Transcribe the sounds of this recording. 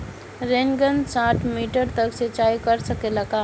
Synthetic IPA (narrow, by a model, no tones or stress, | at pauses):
ɾeŋɡənsaːʈʰmiːʈəɾt̪əkset͡ʃaːikəɾsəkelɐɡaː